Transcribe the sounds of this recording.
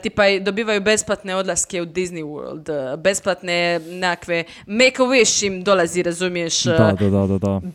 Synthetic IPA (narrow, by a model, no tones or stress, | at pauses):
t̪ipajd̪o̞biːʋajube̞splat̪neo̞d̪laskeud̪izniwo̰ɾld̪be̞splˠat̪nenekakʋe | mejkaweʃt͡ʃimd̪olaziɾazumijeʃad̪ad̪ad̪ad̪a